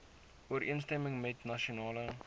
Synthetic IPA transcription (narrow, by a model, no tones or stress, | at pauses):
uəɾʔiənstɛməŋmɛtnɐʃionɑːlə